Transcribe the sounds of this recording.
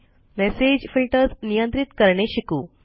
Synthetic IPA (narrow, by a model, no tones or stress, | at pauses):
mɛsed͡ʑfiɭʈət͡snijənt̪ɾit̪kəɾɳeɕikuː